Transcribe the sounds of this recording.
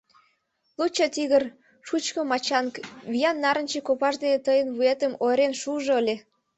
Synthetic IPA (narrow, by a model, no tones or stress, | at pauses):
lut͡ɕɑt̪iɣər | ʃut͡ɕkə̆mɑt͡ɕɑnkβijɑnːɑɾənt͡ɕekopɑʒd̪enet̪əjənβuet̪əmoɾenʃuʒoəlʲe